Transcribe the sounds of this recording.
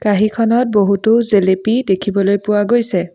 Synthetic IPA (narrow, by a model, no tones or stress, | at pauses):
kaɦikʰɔnɔt̚boɦutozelepidekʰibɔlojpʊwaɡojsɛ